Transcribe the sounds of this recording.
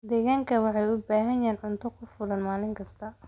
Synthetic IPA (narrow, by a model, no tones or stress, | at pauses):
d̪ɛɣaːŋkʰɐwɑħɑjʊbaːɦɐjɛːnʕʊnt̪ʰɔkʰʊfʊlɐnmaːlɪŋkʰɐst̪ʰɐ